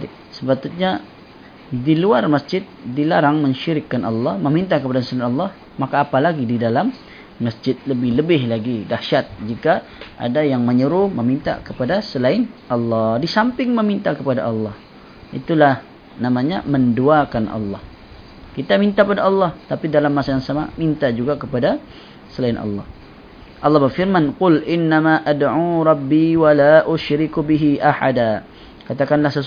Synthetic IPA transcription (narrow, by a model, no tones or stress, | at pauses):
səpat̪ʊt̪̚ɲa | diluarmasd͡ʒɪt̪̚dilaɾaŋməɲʃiɾɪkːanʔɑlːɑhməmint̪akəpadasɪnɑlːɑh | makaːpalaɡididalamː | asd͡ʒɪt̪̚ləbɪhləbɪhlaɡidaʃat̪̚d͡ʒika | ʔa̰dajaŋməɲəɾʊməmint̪a̰kəpadasəlaɪnʔɑlːɑhdisampɪŋməmint̪akəpada̰ʔɑlːɑh | ʔḭt̪ulah | namaɲamənduakanʔɑ̰lːɑ̰h | kit̪amint̪akəpadaɑlːɑht̪apidalamːasajaŋsama̰mint̪ad͡ʒuɡakəpada | səlaɪnʔɑ̰lːɑ̰h | ʔɑlːɑhbərfɪrmanqʊlʔɪnːamaʔadʕuːɾˤɑbːiwalaʔʊʃɾɪkbɪɦiʔahada | kat̪akanlahsə